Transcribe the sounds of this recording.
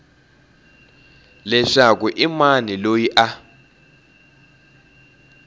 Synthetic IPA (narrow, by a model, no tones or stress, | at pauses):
lɛʂak̬ʼuʔimanilojiʔa